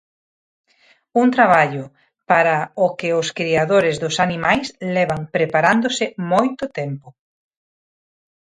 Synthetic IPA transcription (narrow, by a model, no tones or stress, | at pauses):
unt̪ɾaβ̞aʎʊ | paɾaʊkɪʊskɾiaðoɾɪzðʊsanimajslɛβaŋpɾepaɾand̪osɪmojt̪ʊt̪ɛmpʊ